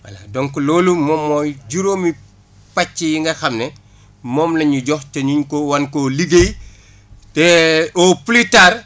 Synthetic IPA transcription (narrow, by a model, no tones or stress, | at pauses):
wa̰la̰dɔŋkuloːlumɔmːɔːjɟuɾoːmi | pat͡ʃːijiŋɡɐxɐmnɛ | mɔːmlɐɲuɟɔxteɲuɲkɔwankoliɡej | tɛɔplitaːɾ